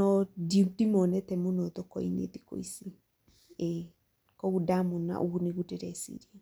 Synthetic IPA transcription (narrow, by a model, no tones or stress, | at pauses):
ɔdimdimɔnɛtɛmunɔt̪ɔkɔinḛt̪i̥ko̰isi | e | kɔɣudamuna̰ʔoɣuneɣuteɾɛsḭɾiɛ